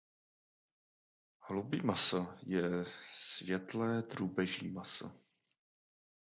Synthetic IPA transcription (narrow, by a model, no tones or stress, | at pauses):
hlubiːmasajɛsvjɛt̪lɛːd̪ruːbɛʒɲimasa̰